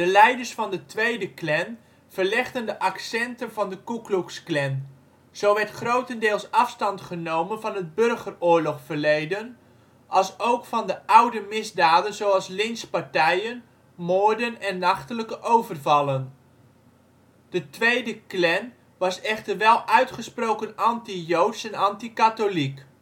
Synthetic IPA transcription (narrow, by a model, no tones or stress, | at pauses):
dəlɛjdəɹsfɑndətʋejdəklɛn | v̥ərlɪχtəndəʔɑksɛntənvɑndəkukluksklɛn | z̥owʋɛɹtχrowtəndɪːlˠsɑfstɑntχənowmənvɑnɦəd̚børχərʊːɹlɔχfəɹlejdən | ʔɑlˠsowkfɑndəʔɑwdəmɪzdaːdənzowɑlˠslɪnspaɹtɛjən | moːɹdənɛnːɑχtələkəʔowvərvɑlˠən | d̥ətʋejdəklɛn | ʋɑsɛχtərʋɛlˠʔœɥtχəsprowkənɑntijowtsɛnɑntikatolik